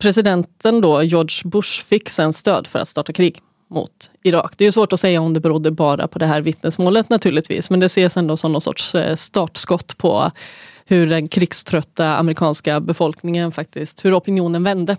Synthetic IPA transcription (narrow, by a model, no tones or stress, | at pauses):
pʰɾɛsɪd̪ɛnt̪ənd̪ɔjɔːɖʂbɵʂfɪkːsɛnst̪ø̰ːd̪fœɾa̰t̪st̪ɑːʈakʰɾiːɡ | mʊ̰t̪ɪɾɑ̰ːkd̪ɛːɾjɵsvoːʈɔsɛjːaɔmd̪ɛbɛɾuːd̪ːəbɑːɾa̰pʰɔd̪ɛɦæːɾvɪt̪nəsmoːlət̪nat̪ʰʉ̟ːlɪt̪ʰvḭːsmɛnd̪ɛseːsɛnd̪oːsɔmnɔsɔ̰ʈʂst̪ɑːʈskɔt̪ːpʰɔ̰hɵɖɛnkʰɾɪɡst̪ʰɾœt̪ːaa̰mɾɪkʰɑːnskabɛfɔlknɪŋənfak̚t̪ɪst̪hɵɾɔpɪnɪuːnənvɛnd̪ə